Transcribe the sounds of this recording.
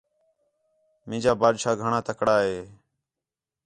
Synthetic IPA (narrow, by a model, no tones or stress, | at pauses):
mɪ̃ːd͡ʒaːbaːd̪ʃaːɡʱəɳãːt̪əkɽaːɦeː